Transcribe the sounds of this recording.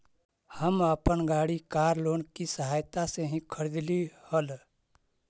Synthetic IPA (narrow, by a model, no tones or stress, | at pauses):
həməpənɡaːɽikaːɾloːnkisəɦaːjt̪aseɦĩkʰəɾid̪lihəl